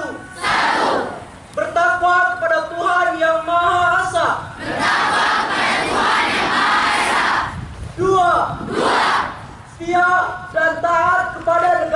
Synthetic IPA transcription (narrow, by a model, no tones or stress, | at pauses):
u | bərt̪akuak̪̚əpadat̪uɦanjaŋmaaasaaaadat̪uɦanjaŋaaduaa | st̪iadant̪aɦat̪̚kəpadanəɡ